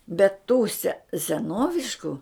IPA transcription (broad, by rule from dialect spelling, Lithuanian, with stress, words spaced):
bʲɛt tuː sʲɛ sʲɛˈnoːʋʲɪʃkʊ